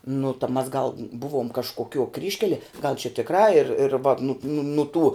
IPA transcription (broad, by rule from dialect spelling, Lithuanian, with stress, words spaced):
nʊ tɐ mɐs ɡɐlˠ ˈbʊʋoːm kɐʃkoːˈkʲuɔ ˈkrʲiːʃʲkʲɛlʲiɛ ɡɐlˠ t͡ʃʲɛ tʲɪkˈrɑː ɪr ɪr ʋɐt nʊt nʊ nʊ tuː